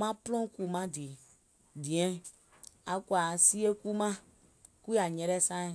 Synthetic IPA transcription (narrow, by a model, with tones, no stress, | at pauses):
mã˦plɔ̃˦ku˨mã˦di˨ | di˨ɛ̃˨˦ | a˨kwa˨si˦e˦ku˦mã˦ | ku˦a˨ɲɛ̃˧ɾɛ˦sãː˦ĩ˨